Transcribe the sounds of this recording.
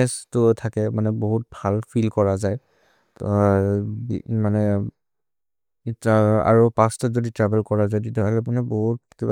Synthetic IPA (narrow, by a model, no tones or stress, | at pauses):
ɛstʊtʰakɛmanɛboɦut̚bʱalpʰilkɔɹazaj | bḭmanɛ | ta̰ɹopãstɔzoditɹɛbɛlkɔɹazajditaakɛap̬unɛboɦuteɛba